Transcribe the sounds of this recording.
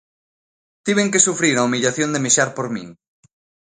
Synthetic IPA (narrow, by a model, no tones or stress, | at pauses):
t̪iβ̞eŋkesufɾiɾaumiʎaθjond̪emeʃaɾpoɾmḭ̃ŋ